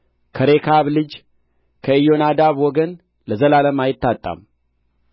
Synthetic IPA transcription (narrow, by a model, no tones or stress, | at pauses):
kʰəɾekʰaβlɨd͡ʒ | kʰəɨjo̞nad̪aβwɔɡən | ləzəlaləmajɪt̪ʰːat̪ʼːa̰m